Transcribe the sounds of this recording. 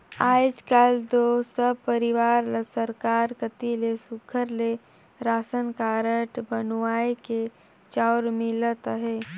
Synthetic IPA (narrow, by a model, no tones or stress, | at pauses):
aːd͡ʒkald̪osəb̚pəɾɪʋaːɾlsəɾkaːɾkət̪ilesʊkʰəɾle | ɾaːsənkaːɾəʈbənwaːeke | t͡ʃaʊɾmilət̪əɦeː